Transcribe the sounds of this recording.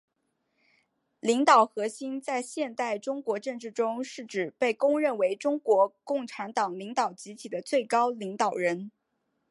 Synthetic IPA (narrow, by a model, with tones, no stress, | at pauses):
li˧˥ŋt̪ɑ˨˩ʊxɤ˧˥ɕi˥nt͡sa˥˧ɪɕjɛ˥˧nt̪a˥˩ɪʈ͡ʂʊ˥ŋkwɔ˧˥ʈ͡ʂɤ˥˧ŋʈ͡ʂɻ̩˥˩ʈ͡ʂʊ˥ŋʂɻ̩˥˩ʈ͡ʂɻ̩˨˩pe˥˩ɪkʊ˥ŋɻə˥˩nwe˧˥ɪʈ͡ʂʊ˥ŋkwɔ˧˥kʊ˥˩ŋʈ͡ʂʰa˧˥nt̪ɑ˨˩ŋli˧˥ŋt̪ɑ˨˩ʊt͡ɕi˧˥t̪ʰi˨˩d̪ə˦t͡swe˥˩ɪkɑ˥ʊli˧˥ŋt̪ɑ˨˩ʊɻə˧˥n